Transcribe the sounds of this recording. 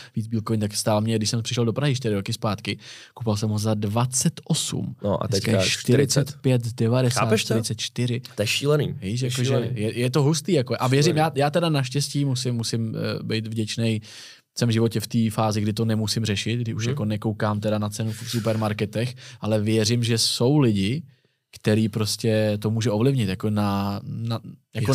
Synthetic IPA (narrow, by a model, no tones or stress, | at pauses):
viːt͡sbiːlkovɪɲt̪akst̪aːlmɲɛɡdɪʃsɛmpr̝̥ɪʃɛldo̞pɾaɦɪʃt̪ɪɾɪɾokɪspaːt̪kɪkupalsɛmɦozadvat͡sɛt̪ʔosṵmnoʔa̰tɛɛkaaʃt̪ɪɾɪt͡sɛt̪pjɛt̪dɛvadɛsaːɛʃt̪ɪɾɪt͡sɛt̪̚t͡ʃt̪ɪɾɪɛʃiːlɛnḭːviʃ̬jakoʒɛjɛjɛt̪̬o̞ɦust̪iːjakoʔavjɛɾɪmjaːjaːt̪ɛdanaʃcɛsciːmusɪmːusɪmbɛjt̪vɟɛt͡ʃnɛj | sɛmʒɪvo̞cɛft̪iːfaːzɪɡdɪt̪o̞nɛmusɪmrɛʃɪt̪̚ɡdɪʔuʃjako̞nɛkowkaːmt̪ɛɾanat͡sɛnufsupɛɾmaɾkɛt̪ɛxʔalɛvjɛɾɪmʒɛso̞wlɪɟɪ | kt̪ɛɾiːpɾo̞scɛt̪o̞muːʒɛo̞vlɪvɲɪt̪jako̞nanajako